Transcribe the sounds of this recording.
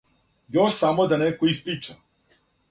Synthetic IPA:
joʃsamod̪anekoispɾit͡ʃa

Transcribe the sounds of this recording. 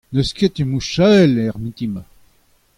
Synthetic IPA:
nəsket̪imuʃalɛʁmit̪ima

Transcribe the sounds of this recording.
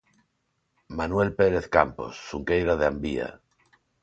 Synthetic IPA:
manwe̞lpeɾeθka̰mpo̰sːuŋkejɾaðeambia̰

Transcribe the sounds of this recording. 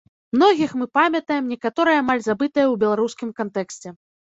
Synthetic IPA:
mnɔɣʲixmɨpamʲɐt̪ɐjɛmnʲɛkat̪ɔɾɨjɐːmalʲzabɨt̪ɨjɐwbʲɛlˠaɾuskʲimkant̪ɛksʲt͡sʲɛ

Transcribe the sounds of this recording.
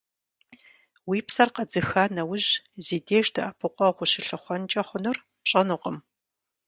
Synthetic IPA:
wiːpsɐrqɐd͡zɨxanɐwʑziːdeːʃdɐʔɐpʰɨqʷʼɔʁʷʊɕɪɬɨχʷɔnt͡ʃʼɐχʷʊnɨr | pɕʼɐnuqəm

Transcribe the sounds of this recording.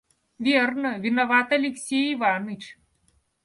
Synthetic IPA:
vʲernəvʲinɐvat̪ɐlʲɪksʲejivanɨt͡ɕ

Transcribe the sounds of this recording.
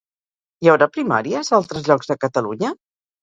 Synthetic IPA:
jɛwɾapɾima̰ɾiəzalˠt̪ɾəzʎɔɡzðəkət̪əluɲə

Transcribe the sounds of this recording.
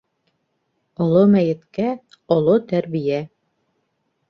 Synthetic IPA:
ŏlˠomæjɘ̆t̪kæ | ŏlˠot̪æɾβijæ

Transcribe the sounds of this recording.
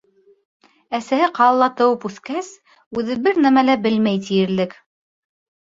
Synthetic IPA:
æsæhɘqɑlːˠɑt̪ɤ̆wɤpʉθkæs | ʉðɘbɘɾnæmælæbɘlmæjt̪̬ijɘ̆ɾlɘk

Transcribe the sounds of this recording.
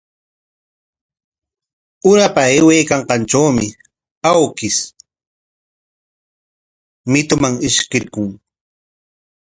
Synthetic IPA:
ʊɾapaewejkɑɴqɑnʈ͡ʂawmɪ | awkɪs | mɪt̪ʊmaŋɪʃkɪɾkʊŋ

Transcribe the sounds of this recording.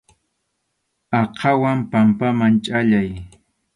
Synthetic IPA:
ɑqʰɑwampampamant͡ʃʼaʎaj

